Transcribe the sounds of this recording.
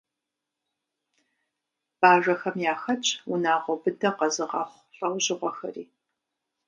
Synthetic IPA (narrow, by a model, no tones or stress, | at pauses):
b̥aːʒɐxɐmjaːxɐt͡ʃʼwʊnaːʁɐwbɨdɐqɐzɨʁɑːχʷɬʼɐwʑɪʁʷɔxɐ̰rḭː